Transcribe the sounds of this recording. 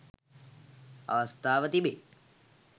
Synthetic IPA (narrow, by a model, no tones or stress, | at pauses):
ɐ̰ʋɐst̪aːʋət̪ibe